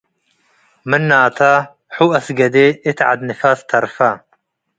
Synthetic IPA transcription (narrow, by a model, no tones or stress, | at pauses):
mɨnːaːt̪ʰa | ħuːɐsɡɐd̪eːɪt̪ʰʕa̰d̪nɨfast̪ʰɐɾfa